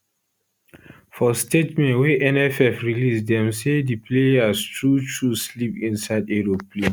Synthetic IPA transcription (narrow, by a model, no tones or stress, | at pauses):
fɔstetmɛ̃nwɛʔɛnɛfɛfɹilisdɛ̃msedipʰleastɹutʰuslipĩnsaɪdeɹopʰle